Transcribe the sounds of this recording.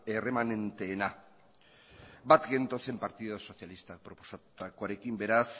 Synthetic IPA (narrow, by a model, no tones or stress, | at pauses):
ere̞mane̞nt̪e̞ːna | bat̪ɡe̞nt̪o̞se̞mpaɾt̪ið̞oso̞sjalist̪ak̚pɾo̞po̞̥sat̪ut̪ako̞aɾe̞kimbe̞ɾas